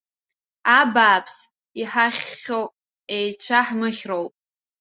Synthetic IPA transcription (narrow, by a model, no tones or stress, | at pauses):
abaːpʰs | iħaχʲːowpʼ | ejt͡ɕʷʰaħmɨχʲrowpʼ